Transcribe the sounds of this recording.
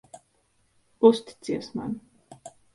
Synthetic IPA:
ust̪i̥t̪siɛsma̰n

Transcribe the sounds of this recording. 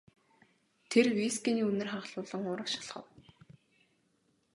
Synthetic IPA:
t̪ʰerwiskʲiːniːɵnɘ̆rχaʁ̆ɮʊːɮə̆ŋʊːɾə̆ʃḁɮχə̰̆w

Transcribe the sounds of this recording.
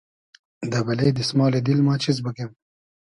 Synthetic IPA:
d̪ɐbɐleːd̪ismɑːled̪ilmɑːt͡ʃʰiz̬bəkem

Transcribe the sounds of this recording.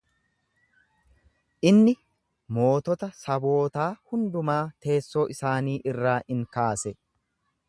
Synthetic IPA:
ʔɪnːɪ | mo̞ːt̪ɔt̪ɐsɐbo̞ːt̪aːhʊnd̪ʊmaːt̪ʰe̞ːsːoːʔɪsaːniːʔɪrːaːʔɪŋkaːsɛ

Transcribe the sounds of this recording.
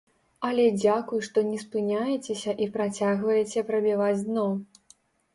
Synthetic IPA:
ɐlʲɛd͡zʲakujuʂt̪ɔnʲɛspɨnʲajɛt͡sʲɛsʲɐʔipɾat͡sʲaɣvɐjɛt͡sʲɛpɾɐbʲivad͡zʲd̪nɔ

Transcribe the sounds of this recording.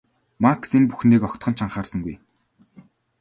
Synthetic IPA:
maksenpu̥xniːkɔkt̪χɞ̆nt͡ɕʰaɴχaːrsə̆ŋɡuj

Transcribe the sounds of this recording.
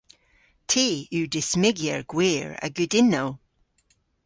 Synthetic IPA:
tʰeʉːdɪsmɪɡjə̰ɹɡ̥weːɹə̰ɡʉdɪnːow

